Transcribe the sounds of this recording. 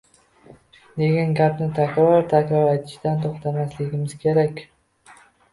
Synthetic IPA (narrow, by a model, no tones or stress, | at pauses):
d̪e̞ɡʲanɡʲapnɪt̪ʰakʲɾɒɾt̪ʰakʲɾɒɾat̪ʰɪ̥ʃd̪ant̪ʰoχt̪ʰamaslɪɡʲɪmɪz̥kʲʰe̞ɾakʲ